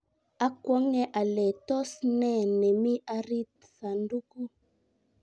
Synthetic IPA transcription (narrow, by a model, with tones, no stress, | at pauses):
a˨kwɔ˨˦ŋɛ˨ʔa˨lɛ˨tɔ˦snɛ˦˨nɛ˨mi˦ʔa˦ɾi˦t̚ | sa˨ndu˦ku˦